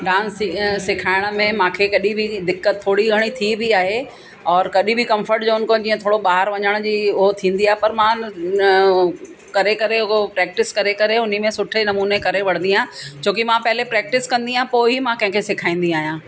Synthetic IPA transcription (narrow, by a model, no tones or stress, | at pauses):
ɖãːnsːɪkʰaːɪɽ̃ə̆mẽmãːkʰekɐɗibʱɪd̪ɪkːət̪t̪ʰːoːɽiɡʱɐɽ̃it̪ʰibʱiaːɦe | ɔːɾkɐɗibʱɪkɐ̃mfəɾʈd͡ʑoːʊn̆kõd͡ʑĩːə̃t̪ʰoːɽoɓaːɦəɾʋɐɲəɽ̃d͡ʑiːʊɦot̪ʰĩːnd̪iaːɦepɐɾmã | kɐɾekɐɾeʊopɾɛːk̚ʈɪskɐɾekɐɾeʊn̤imẽsʊʈʰenɐmuːnekɐɾeʋɐɽ̤̃ə̃nd̪iãːt͡ɕoːkimãpɐɦɪlepɾɛːk̚ʈɪskɐ̃nd̪iãːɦpoːɪɦimãkɐ̃ɦɪ̃kʰesɪkʰaːĩːn̆d̪iaːɦijãː